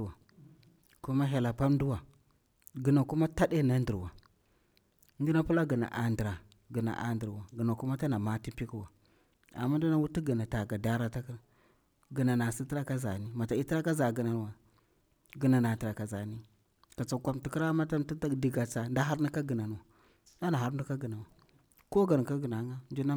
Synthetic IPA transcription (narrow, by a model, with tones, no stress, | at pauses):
wa˨ | ku˦ma˦ɦe˨la˨pa˦mdu˦wa˨ | ɡi˨na˨ku˦ma˦ta˦ɗe˦na˦ndi˨ɾwa˨˦ | ndi˦na˦pu˦la˦ɡi˨na̰˨ʔa˨ndɾa˨ | ɡi˨na̰˨ʔa̰˨ndi˨ɾwa˨ɡə˨na˨ku˦ma˦ta˦na˨ma˦ti˦pi˦ki˦wa˨ | a̰˨mːa˦n˦du˦na˦wu˦ti˦ɡi˨na˨ta˨ɡa˨da˦ɾa˦ta˦k | ɡə˨na˨na˨si˦ti˦ɾa˦ka˦za˨ni˦ma˨ta˨i˦ti˦ɾa˦ka˦za˨ɡə˨na˨n˨wa˨ | ɡə˨na˨na˨tɾa˨ka˨za˨ni˦ | ka˨t͡sa˨kʷa˨mti˨ki˦ɾa˦ma˦ta˦mti˦a˦di˨ɡa˨t͡sa˨nda˦ɦa˦ɾnu˦ka˦ɡə˨na˨n˨wa˨ | da˦na˨ɦa˦ɾndu˦ka˦ɡi˨na˨wa˨ | ko˦ɡa˨n˨ka˦ɡə˨na˨˦ŋɡa˦n˦i˦na˦